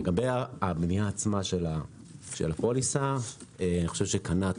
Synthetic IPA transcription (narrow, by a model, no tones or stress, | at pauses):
leɡabejaabnijaːt͡smaʃela | ʃḛlapolisaeaniχo̞ʃevʃekana